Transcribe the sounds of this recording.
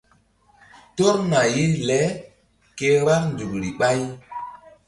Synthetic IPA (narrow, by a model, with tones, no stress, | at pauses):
to˦ɾna˨ji˦lɛ˨˦ | ke˦wa˦ɾn˨du˨kɾi˨ɓa˦j